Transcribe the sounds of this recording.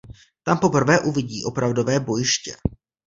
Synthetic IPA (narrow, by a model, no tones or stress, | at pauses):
t̪ampo̞pr̩vɛːʔuvɪɟiːʔo̞pɾavdo̞vɛːbo̞jɪʃcɛ̰